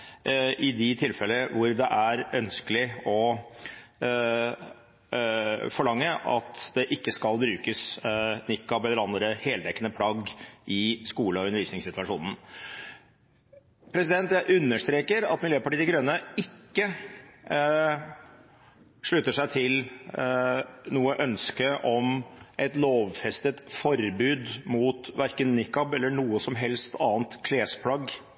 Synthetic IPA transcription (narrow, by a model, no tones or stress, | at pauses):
ɪd̪ɪt̪ʰɪlfɛlːəəʋʊɾd̪ɛʔæɾœnskəlɪɔ | fɔɭɑŋːəʔɑ̰t̪d̪ɛʔɪkːəskɑlbɾʉːkəsnɪkːɑbɛlːəɾɑnd̪ɾəheːlt̪ɛkːənəpʰlɑɡʔɪskuːləɔʉnəɾʋiːsnɪŋsɪt̪ʉʋɑʂṵːnn̩ | pʰɾɛsɪd̪ɛnt̪jæɪʔʉnːəʂt̪ɾeːkəɾɑ̰t̪mɪljøːpɑʈiːɪɡɾønəɪkːə | ʂɭʉt̪ːəʂæɪt̪ʰɪl | nuːəʔœnskəʔɔmʔɛt̪loːʋfɛst̪ət̪fɔɾbʉːd̪mut̪ʋæɾkənːɪkːɑbɛlːəɳuːəsɔmɦɛlst̪ɑːnt̪kʰleːspʰlɑɡ